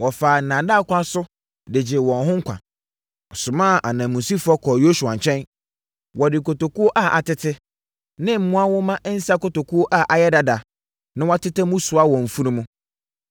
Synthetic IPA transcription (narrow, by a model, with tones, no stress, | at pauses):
wɔ˨faː˨nã˨da˦˨˦kʷã˦sʊ˦ | dɪ˨d͡ʑɪ˨wɔ̃˨nɦʊ̃˦ŋ̩˦kʷʰã̰˨ | ɔ˨sʊ̃˨mãː˦˨ʔa˨nã˨mũ˨si˦fɔ˦kʰɔ˨jo˦su˨ã˨ɲ˨t͡ɕʰᶣɛ̃˦n | wɔ˨dɪ˨kʰo˨to˨ku˦o˦ʔa˦ʔa˨tɪ˦tʰɪ˦ | nɪ̃˦m̩˦mũ˦a˦wʊ˦mã˦ʔn̩˦sa˦ko˨to˨kʰu˦o˦ʔa˦˨ʔa˨jɛ˦da˨da˨ | nɪ̃˦wɔ˦tɪ˦tɪ˦mũ˦sʊ˨a˦wɔ̃˨m̩˨fu˦nũ˦mũ˦